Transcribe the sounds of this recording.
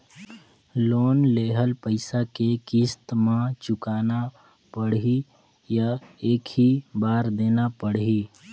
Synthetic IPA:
loːnleːɦəlpəɪsakekist̪mãt͡ʃʊkaːna | pəɽɦi | jaeːkɦibaːɾd̪eːnapəɽɦiː

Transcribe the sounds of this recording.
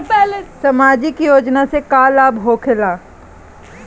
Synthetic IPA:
sɐmaːd͡ʒɪkjoːd͡ʒnasekaːlaːbɦoːkʰelaː

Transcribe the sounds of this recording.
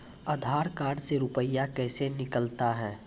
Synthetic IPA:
əd̪ʱaːɾkaːɖseɾʊpəjːakɛːsenɪkəlt̪aɦɛː

